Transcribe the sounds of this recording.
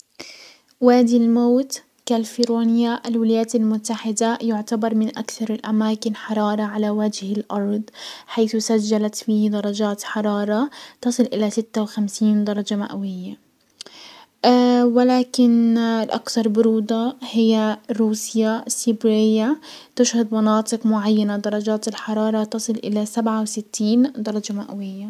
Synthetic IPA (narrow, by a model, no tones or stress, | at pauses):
waːd̪ilmaːt̪ | kalfiɾuːnɪjaʔalwɪlajaːt̪almʊt̪ːaħɪd̪ajʊʕt̪abɑɾˤmɪnʔakθɑɾˤɪlʔamaːkɪnħɑɾˤɑːɾˤɑʕalawad͡ʒhɪlʔɑɾˤd̪ˤħajθsad͡ʒːalat̪fiːhd̪ɑɾˤɑd͡ʒaːt̪ħɑɾˤɑːɾˤɑt̪ɑsˤɨlʔɪlasɪt̪ːawxamsiːnd̪ɑɾˤɑd͡ʒama̰ʔawɪjːa | ʔawɪlaːkɪnlʔa̰kθɑɾˤbʊɾuːd̪ˤɑhɪjːaɾuːsjasibɾɪjːat̪ɪʃhʊd̪mɑnɑːt̪ˤɨqmʊʕajːanad̪ɑɾˤɑd͡ʒaːt̪ɪlħɑɾˤɑːɾˤɑt̪ɑsˤɨlʔɪ̰lasabʕawsɪt̪ʰːiːnd̪ɑɾˤɑd͡ʒamaʔawɪjːa